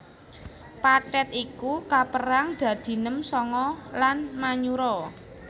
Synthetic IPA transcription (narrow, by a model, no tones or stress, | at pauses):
paʈɛt̪ikukapəɾaŋɖ̪̥ä̤d̪̥i̤nəmsɔŋɔlanmaɲuɾɔ